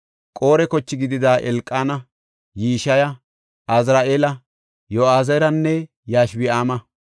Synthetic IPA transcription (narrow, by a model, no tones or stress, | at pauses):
kʼoːɾɛkɔt͡ʃːɪɡɪd̪ɪd̪aːʔɛlkʼːaːnɐ | jiːʃɐjɐ | ʔɐzɾaːʔeːlɐ | joaːzɐɾɐnːɛ | jaːʃbɪaːmɐ